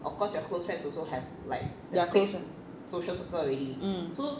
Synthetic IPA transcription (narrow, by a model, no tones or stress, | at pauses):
ʔɔ̰fkɔsjɔakʰlosfɹɛ̃nsɔlsohɛv | laɪk̚dakʰlos | soʃəlsukʰjɔɹitiso